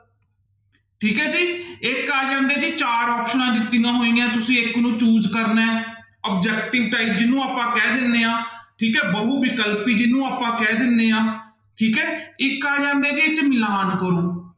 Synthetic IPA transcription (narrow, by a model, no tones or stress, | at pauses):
ʈʰiːkɛːd͡ʒiːɪkːaːɾd͡ʒãːnd̪eːd͡ʒiːt͡ʃaːɾɔːpʃənãːd̪ɪt̪ːiɡãːɦoːĩãːt̪ʊsĩːɪknũːt͡ʃuːd͡ʒkəɾnɛː | əp̚d͡ʒɛːkʈɪɡʈaːiːp̚d͡ʒɪnũːaːpãːkɛːd̪ɪnd̪eːãːʈʰiːkɛːbəɦuːʋɪkəlpiːd͡ʒɪnːũːaːpãːkɛːd̪ɪnd̪eːãː | ʈʰiːkɛːɪkːaːɾd͡ʒãːnd̪eːd͡ʒiːɪt͡ʃmɪlãːɦənkəɾoː